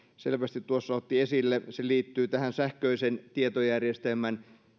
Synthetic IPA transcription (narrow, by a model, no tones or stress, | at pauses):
selʋæst̪it̪t̪uosːɑot̪ːiesilːeseliːt̪ːyːt̪æhænsæhkøisent̪iet̪ojærjest̪elmæn